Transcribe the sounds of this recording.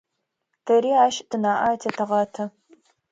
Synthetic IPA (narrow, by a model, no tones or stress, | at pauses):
tʰɐɾiːaːʃtʰɨnaːʔaːtʰɐtʰɨʁɑːtʰɐ